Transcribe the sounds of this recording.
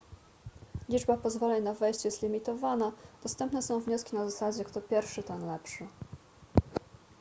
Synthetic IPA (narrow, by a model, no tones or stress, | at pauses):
lʲid͡ʐbapɔzvɔlɛnavɛjɕt͡ɕjɛst̪lʲimʲit̪ɔvanad̪̥ɔst̪ɛmpnɛsɔ̃w̃vɲɔskʲinazasad͡ʑɛkt̪ɔpʲjɛɾfʂɘt̪ɛnlɛpʂɘ